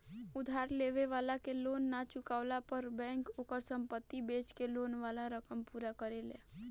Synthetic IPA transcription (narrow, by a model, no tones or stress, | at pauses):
ʊd̪ʱaːɾleʋeʋaːlakeloːnːat͡ʃʊkaːʊlapəɾbɛ̃ːŋkoːkəɾsə̃mpət̪ːibeːt͡ʃkeloːnʋalaɾəkəmpuːɾakəɾelḛ